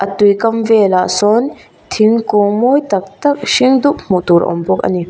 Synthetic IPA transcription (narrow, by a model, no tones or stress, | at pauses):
ʔɐt̪ːujkɐmveːlasɔn | t̪ʰiŋkomojt̪ɐk̚t̪ɐkʃiŋd̪uʔmut̪uɾʔɔ̰mbɔkɐ̰ni